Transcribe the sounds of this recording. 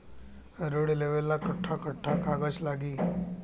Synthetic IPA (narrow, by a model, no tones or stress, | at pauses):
ɾoːɽileʋelːakɐʈʰːakəʈʰːakaːɡət͡ʃlaːɡiː